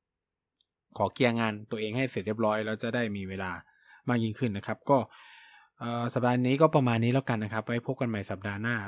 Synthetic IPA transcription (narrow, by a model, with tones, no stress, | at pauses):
kʰɔː˩˦ki˧ʔa˧ŋaː˧nt̪u˧əʔeː˧ŋha˥˩jse˨˩t̚i˥˩p̚ɾɔː˦˥jlɛː˦˥wt͡ɕa˨˩daː˥˩jmiː˧weː˧laː˧ | maː˥˩k̚ji˧˥ŋkʰɯ˥˩nːa˦˥kʰa˦˥p̚kɔː˥˩ | ʔɤː˨˩sa˨˩daː˧niː˦˥kɔː˥˩pɾa˧maː˧nːiː˦˥lɛː˦˥˩wka˧nːa˦˥kʰa˦˥p̚wa˦˥jpʰo˦˥˩p̚ka˧nma˨˩jsa˨˩p̚daː˧naː˥˩